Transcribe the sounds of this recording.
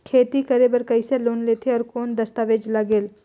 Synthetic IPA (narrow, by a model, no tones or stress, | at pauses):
kʰeːt̪ikɐɾebɐɾkɐiseloːnleːt̪ʰeɔːɾkoːnd̪ɐst̪aːʋeːd͡ʒlɐɡeːl